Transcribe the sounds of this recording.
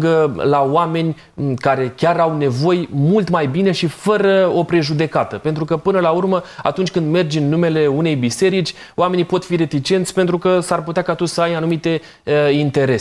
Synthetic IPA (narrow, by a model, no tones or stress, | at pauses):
ɡəlaoame̞nʲ | kaɾe̞kʲaɾawne̞vo̞jmult̪majbine̞ʃifəɾəo̞pɾe̞ʒud̪e̞kat̪əpe̞nt̪ɾukəpɨnəlaurməa̰t̪unt͡ʃʲkɨnd̪me̞rd͡ʒɨnːume̞le̞une̞jbise̞ɾit͡ʃʲ | oame̞nipo̞t̪fiɾe̞t̪it͡ʃe̞nt̪sʲpe̞nt̪ɾukəsarput̪eakat̪usəajanumit̪e̞ | int̪e̞ɾe